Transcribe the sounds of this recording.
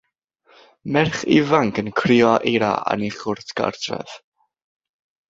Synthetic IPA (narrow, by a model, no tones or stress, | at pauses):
mɛrχḭvaŋkənkʰrɪːɔʔeɾa̰ʔa̰niχʊrtʰɡ̥a̰rtʰrɛ̰ð̥